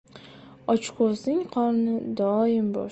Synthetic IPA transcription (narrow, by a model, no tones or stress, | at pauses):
ɒt͡ʃqʰoznɪŋqʰɒɾnɪd̪ɒɪmbɒ̰